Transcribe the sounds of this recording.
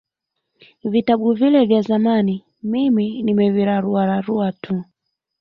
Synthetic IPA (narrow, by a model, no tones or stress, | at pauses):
vitaɓuvilɛvjazamani | miminimɛviɾaɾuwaɾaɾuatʰu